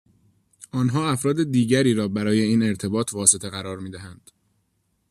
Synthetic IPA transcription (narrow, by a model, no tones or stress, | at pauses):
ʔɒːnɦɒːæfɾɒːd̪ed̪iːɟæɾiːɾɒːbæɾɒːje̞iːne̞ɾt̪ʰe̞bɒːt̪ʰvɒːse̞t̪ʰe̞ɣæɾɒːɾmiːd̪æhænd̪̥